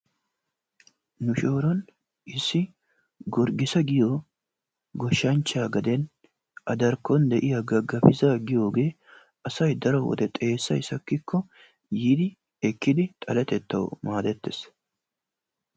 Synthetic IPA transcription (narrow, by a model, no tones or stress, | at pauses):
nʊʃo̞ːɾɔn | ʔɪsːɪ | ɡɔɾɡɪsɐɡɪjoː | ɡɔʃːɐnt͡ʃːaːɡɐd̪ɛn | ʔɐd̪ɐɾkːɔnd̪ɛʔɪjɐɡɐɡɐfɪzaɡɪjo̞ːɡe̞ː | ɐsɐjd̪ɐɾɔwɔ̰d̪ɛt̪ʼe̞ːsːɐ̰jɪsɐkːɪkʰːɔ | jid̪ɪ | ɛkːɪd̪ɪt̪ʼɐlɛt̪ɛt̪ːɐ̰wɔ̰maːd̪ɛt̪ːɪs